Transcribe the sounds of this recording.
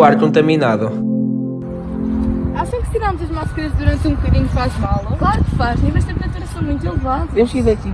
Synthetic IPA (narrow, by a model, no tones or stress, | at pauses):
aɾkõnt̪ɐminaðu | asĩkt̪iɾamuzɐʒmaʃkɐɾɐʒðuɾɐ̃nt̪ũbukɐðiɲufaʒmalˠɐklˠaɾukfaʒẽvɐʃt̪ẽmp̪ɐ̃t̪ɐɾɐfojmũj̃t̪̬ilˠvaðuvemuʃkizɛt̪i